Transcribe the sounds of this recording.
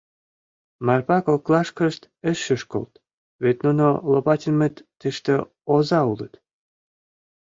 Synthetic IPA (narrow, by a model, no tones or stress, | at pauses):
mɑrpɑkoklɑʃkəʃt̪ | əʃəʃko̰lt̪ | βet̪nunolopɑt̪ʲilʲmet̪ːeʃt̪ə | ozɑulət̪